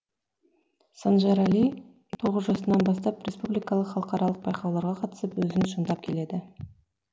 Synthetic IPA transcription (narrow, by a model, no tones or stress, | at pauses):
sɑnʒɑɾalij | t̪ʰo̞ʁəzʒɑsənɑnbɑst̪ɑprʲespublijkɑlˠəqχɑlˠəqɑɾɑlˠəq̚bɑjqɑwlˠɑɾʁɑqʰɑt̪ə̥səpwɵzɪŋʃənd̪ɑp̚kʲʰe̞le̞d̪ɪ